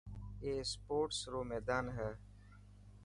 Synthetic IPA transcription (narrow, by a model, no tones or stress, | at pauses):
eːspoːʈsɾoːmeːd̪aːnɦɛ